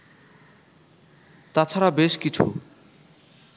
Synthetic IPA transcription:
t̪at͡sʰaɾabeʃkit͡sʰṵ

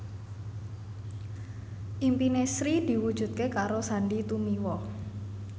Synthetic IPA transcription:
ʔimpinesɾid̪̥i̤wud̥ʒ̥ṳt̪̚kekaɾosaɳɖit̪umiwɔ

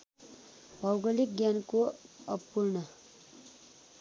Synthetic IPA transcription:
bʱʌwɡʌlik̚ɡjankoʌbpːuɾnʌ

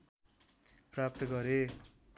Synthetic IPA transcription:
prap̚t̪ʌɡʌɾe

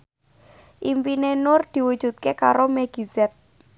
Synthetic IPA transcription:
ʔimpinenʊrd̪̥i̤wud̥ʒ̥ṳt̪̚kekaɾomeɡ̥izɛt̪̚

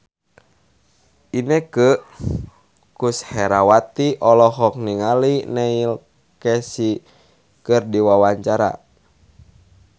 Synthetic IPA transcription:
ʔinɛkə | kushɛɾawat̪iʔɔlɔɦɔk̚niŋalinɛil | kɛsi | kɨrdiwawaɲt͡ʃaɾa̰

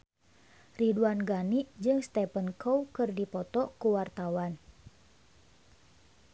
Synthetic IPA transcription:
riduanɡaniʔd͡ʒɨŋst̪ɛpənkowkɨrdipɔt̪ɔkuwart̪awan

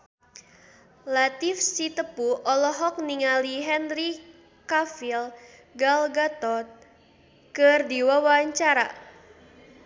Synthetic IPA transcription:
lat̪ifsit̪əpuɔlɔɦɔk̚niŋaliɦɛnri | kafilɡalɡat̪ɔt̪̚ | kɨrdiwawaɲt͡ʃaɾa̰

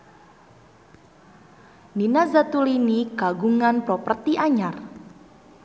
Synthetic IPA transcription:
ninazat̪uliniɡ̥aɡuŋanpɾopərt̪iʔaɲar

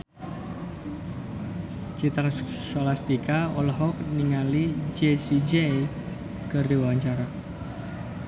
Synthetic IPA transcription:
t͡ʃit̪ɾas | solast̪ikaɔlɦɔk̚niŋalid͡ʒesid͡ʒej | kərdiwwaɲt͡ʃaɾa

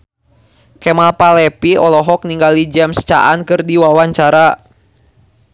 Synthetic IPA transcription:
kɛmalpalɛpiɔlɔɦɔk̚niŋɡalid͡ʒamst͡ʃa̰ʔankɨrdiwawaɲt͡ʃaɾa

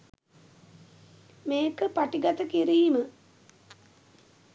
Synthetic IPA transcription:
meːkəpaʈiɡat̪əkiɾiːmə

